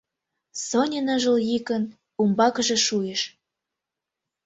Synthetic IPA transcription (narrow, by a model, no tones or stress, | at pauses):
sonʲenɤʒə̆ljikən | umbɑkəʒĕʃujeʃ